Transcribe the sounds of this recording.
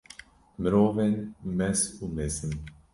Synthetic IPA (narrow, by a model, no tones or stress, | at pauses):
mɾovɛnmɛsumɛsn